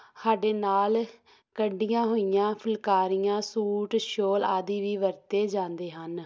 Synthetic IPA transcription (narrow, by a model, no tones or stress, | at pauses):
saːɖeːnaːl | kəɖɪjãːɦoːijãːpʰəlkaːɾɪjãːsuːʈʃoːla̰ːd̪iːʋiːʋəɾt̪eːd͡ʒãːnd̪eːɦən